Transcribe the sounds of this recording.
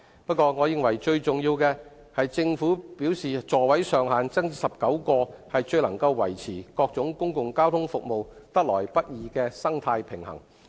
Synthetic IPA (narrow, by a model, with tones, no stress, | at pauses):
pɐ˥t̚kɔː˧ŋɔː˨˧jɪ˧ŋwɐ˨˩jt͡ʃɵ˧ɥt͡sʊ˨˩ŋjiː˧wkɛː˧ | hɐ˨jt͡sɪ˧ŋfuː˨˥piː˨˥wsiː˨t͡sɔː˨wɐ˨˥jsœː˨ŋhaː˨nt͡sɐ˥ŋsɐ˨p̚kɐ˨˥wkɔː˧hɐ˨jt͡ʃɵ˧ɥlɐ˨˩ŋkɐ˧wːɐ̰˨˩jt͡sʰiː˨˩kɔː˧k̚t͡sʊ˨˥ŋkʊ˥ŋkʊ˨ŋkaː˥wt̪ʰʊ˥ŋfʊ˨k̚mo˨wt̪ɐ˥k̚lɔː˨˩jpɐ˥t̚jiː˨˧kɛː˧sɐ˥ŋt̪ʰaː˧jpʰɪ˨˩ŋhɐ̰˨˩ŋ